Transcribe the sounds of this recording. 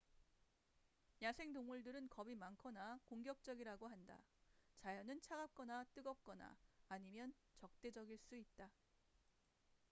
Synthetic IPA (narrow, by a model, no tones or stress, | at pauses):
ɲasʰe̞ŋtoŋmuɭdɯɾɯnkʌbimankʰʌnakoŋɡjʌk̚t͡ɕ͈ʌɡiɾaɡoɦanda̰ | t͡ɕajʌnɯnt͡ɕʰaɡap̚k͈ʌnat͈ɯɡʌp̚k͈ʌna̰ːɲimjʌn | t͡ɕʌk̚t͈e̞d͡ʑʌɡiɭs͈uit̚t͈a